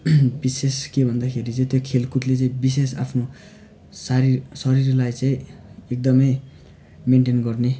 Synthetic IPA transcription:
biseskebʱʌnd̪akʰeɾit͡sʌĩt̪jokʰelkuʈlet͡saĩbis̬esa̰pʰno | saɾisʌɾirlajt͡saĩek̚d̪ʌmʌj | meɳʈenɡʌrne

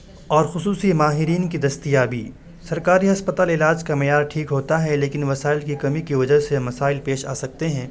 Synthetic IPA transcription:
ɔːɾxʊsuːsimaːɦɪɾiːnkid̪ɐst̪ijaːbiː | sɐɾkaːɾiɦɐspɐt̪aːlɪlaːd͡ʒkamejaːɾʈʰiːkɦoːt̪aɦɛleːkɪnʋɐsaːɪlkikɐmikiʋɐd͡ʒaɦsemɐsaːɪlpeːʃa̰ːsɐk̚t̪eɦɛ̃ː

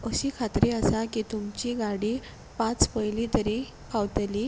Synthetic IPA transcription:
əɕikʰat̪ɾeasakit̪umt͡ɕiɡaɽi | pãt͡spəjlit̪əɾi | kʰawt̪li

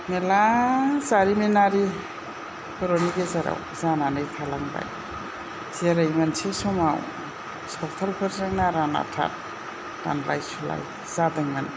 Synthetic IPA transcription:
melazaɾimenaɾi | pʰɔɾoniɡezaɾa̰w | zananɯjtʰalaŋba̰j | zeɾajmansesɔmaw | sɔk̚t̪ʰalpʰɯɾzaŋnaɾana̰tʰa̰t̚ː | a̰nlajsula̰j | zadɯŋman

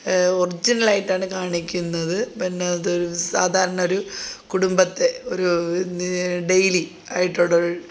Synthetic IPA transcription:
orid͡ʑinɐɭaːjiʈːaːɳɨkaːɳikʲːunːɐðɨpinːeðɨoɾusaːd̪ʱaːɾɐɳɐo̞ɾukuɽumbɐt̪ːe̞o̞ɾu | ɖe̞jli | aːjiʈːoɽɐ

